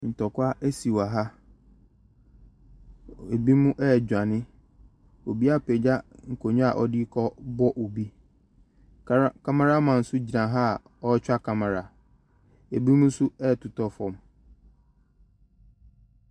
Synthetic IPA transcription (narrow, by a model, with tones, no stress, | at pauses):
n̩˨tɔ˨kʊ˦a˦ʔe˦si˨wa˨ɦa˦ | e˨bi˦mũ˦ʔɛ˦˨d͡ʑᶣa˨nɪ̃˦ | o˨bi˦a˦pʰɛ˨d͡ʑa˦ŋ̩˨kʰo˨ɲʊ̃˦a˨ʔɔ˦di˦kʰɔ˦bɔ˦ʔo˨bi˦ | kʰa˦ma˦ɾa˦mã˨n̩˦sʊ˦d͡ʑi˨nã˨ɦa˦˨ | ɔ˦t͡ɕᶣa˦kʰa˨mã˨ɾa˨ | e˨bi˦mũ˦sʊ˦ɛ˦˨tʰʊ˨tʰɔ˦fɔ̃˨m